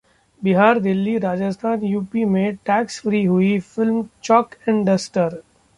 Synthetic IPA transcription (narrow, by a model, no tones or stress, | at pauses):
bɪɦaːɾd̪ɪlːiɾaːd͡ʒəst̪ʰaːnjuːpimẽʈɛːksfɾiːɦʊifɪlmt͡ʃɔːkɪ̃ɳɖəsʈəɾ